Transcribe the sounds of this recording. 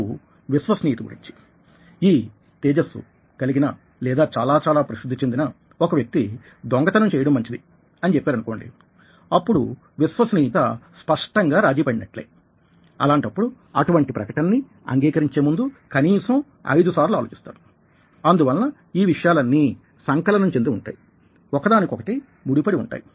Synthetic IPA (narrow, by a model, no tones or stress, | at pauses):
ʋisʋɐsniːit̪ɐɡṵɾḭɲt͡ʃi̥ | iː | t̪eːd͡ʒɐsṵ | kɐliɡinɐ | lɛːd̪aːt͡ʃaːlaːt͡ʃaːlaːpɾɐsid̪ʱːit͡ʃend̪inɐ | okɐʋjɐk̚t̪i | d̪ɔŋɡɐt̪ɐnɐmt͡ʃɛːjɐɽɐmːɐɲt͡ʃid̪i | ɐnit͡ʃepːeaːɾɐnuko̞ːɳɖḭ | ɐpːuɽu | ʋisʋɐsniːit̪ɐspɐʂʈɐŋɡaːɾaːd͡ʒiːpɐɽinɐʈlḛː | ɐ̰laːɳʈɐpːuɽu | ɐ̰ʈuʋɐɳʈipɾɐkɐʈɐnɐnːi | ɐ̰ŋɡiːkɐɾiɲt͡ʃe̞ːmund̪ukɐniːsɐm | ɐ̰jd̪usaːɾluaːloːt͡ʃi̥st̪aːɾu | ɐnd̪uʋɐlːɐ | iːʋiʂɐjaːlɐnːi | sɐŋkɐlɐnɐmt͡ʃend̪iuɳʈa̰ːji | ɔkɐd̪aːnikʲɔkɐʈi | muɽipɐɽiṵɳʈa̰ːji